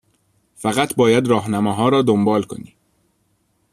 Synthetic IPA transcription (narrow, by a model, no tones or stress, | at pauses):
fæɣæt̪ʰbɒːjæd̪ɾɒːɦnæmɒːɦɒːɾɒːd̪ombɒːlkʰo̞̰niː